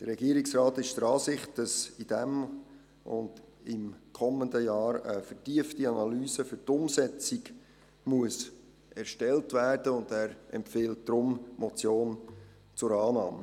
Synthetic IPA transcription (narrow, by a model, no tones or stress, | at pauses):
d̥ərːɛɡ̥iəɾiksrɑːtɪʃd̥əɾɑːsɪχt̚d̥ɑsid̥ɛm | ʊ̰nd | ɪmkʰɔməndəjɑːɾəfətiəftiɑnɑlyːsəfʏtʊmsɛt͡siɡ | muəs | ɛɾʃtɛltvæːrd̥əʊndæːɾɛ̰mpfɪːlt̚d̥ɾʊmmɔt͡sjoːn | t͡sʊɾɑːnɑːmə